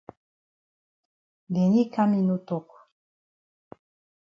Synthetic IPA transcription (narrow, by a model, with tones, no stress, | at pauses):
de˨ni˦ka˦mi˦nu˦to˨ku̥˨